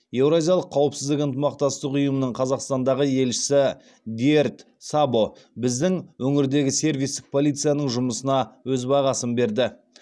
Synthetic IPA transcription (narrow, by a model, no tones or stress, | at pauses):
je̞wɾazʲijɑlˠəqʰːɑwəpsɪzd̪ɪkənt̪əmɑqt̪ɑst̪əqʊjəmənəɴqʰɑzɑqst̪ɑnd̪ɑʁəje̞lʃɪ̥sɪ | d̪ʲiert̪ | sabo̞bɪzd̪ɪŋwɵŋɪɾd̪e̞ɡʲɪse̞ɾvijst̪ɪ̥k̚pʰo̞lˠijt̪sijanəɴʒʊməsənɑwɵzbɑʁɑsənbe̞ɾd̪ɪ